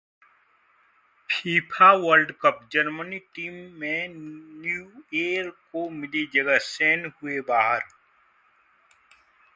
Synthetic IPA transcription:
pʰiːpʰaʋəlɖkəpd͡ʒɐɾməniʈiːmːẽnjueːɾkomɪlid͡ʒəɡəseːnɦʊebaːɦəɾ

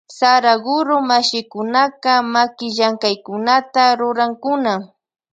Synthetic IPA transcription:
saɾaɡʊɾʊmaʃɪkʊnakamakɪʒaŋkajkʊnat̪aɾʊɾaŋkʊna

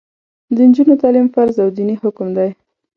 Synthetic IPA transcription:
d̪ənd͡ʒunot̪ɑlimfaɾzawd̪inihʊkmd̪aj

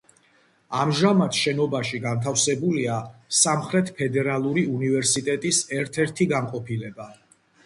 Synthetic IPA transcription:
amʒamat̪ʰʃɛnɔbaʃiɡant̪ʰafsɛbuliasamχɾɛt̪ʰpʰɛd̪ɛɾalˠuɾiunivɛɾsit̪ʼɛt̪ʼisɛɾt̪ʰɛɾt̪ʰiɡanqʼɔpʰilɛba

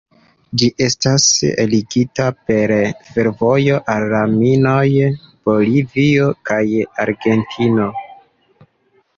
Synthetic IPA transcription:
d͡ʒiʔe̞stasḛliɡitape̞ɾfe̞ɾvo̞jo̞ʔalːaminoj | b̥o̞livio̞kajaɾɡe̞ntʰino̞

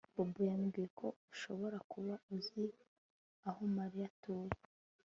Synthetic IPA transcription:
b̥obujamɡijekʰo̞uʃo̞βo̞ɾakuβauzi | ahomaɾijatoːje

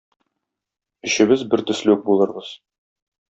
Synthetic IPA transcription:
ɵ̆ɕɘ̆βɘzbɘɾt̪ɵ̆slɵuk̚bulˠɤ̆ɾbɤz̥

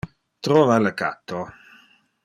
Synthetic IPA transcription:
t̪ɾɔːvaləka̰t̪ːo

